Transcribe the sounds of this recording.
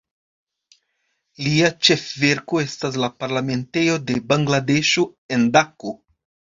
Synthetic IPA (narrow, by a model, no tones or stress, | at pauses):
liat͡ʃe̞fve̞ɾko̞e̞stas̬lapaɾlame̞nte̞jo̞de̞baŋɡlade̞ʃoe̞ndako